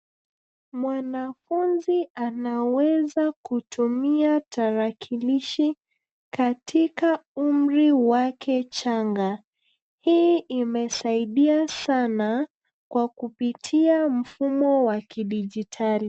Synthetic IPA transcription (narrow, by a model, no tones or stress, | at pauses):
mwanafunzianawɛzakutumiataɾakʰiliʃi | katʰikaum̩ɾiwakʰɛt͡ʃaŋɡa | hiʔimɛsaiɗiasana | kwakupitʰiam̩fumɔwakiɗid͡ʒitʰali